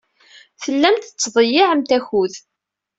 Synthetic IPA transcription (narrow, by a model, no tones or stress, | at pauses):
θəlːæmt̪ət͡sːðˤəjɪʕəmt̪æçuð